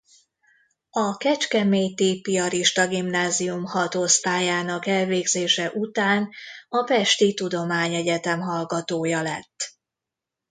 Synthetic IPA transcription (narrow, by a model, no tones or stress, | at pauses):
ɒkɛt͡ʃkɛmeːjt̪iːpijɒɾiʃt̪ɒɡimnaːzijumhɒt̪ost̪aːjaːnɒkɛlveːɡzeːʃɛʔut̪aːnɒpɛʃt̪it̪ud̪o̞maːɲɛɟɛt̪ɛmɦɒlɡɒt̪oːjɒlɛt̪ː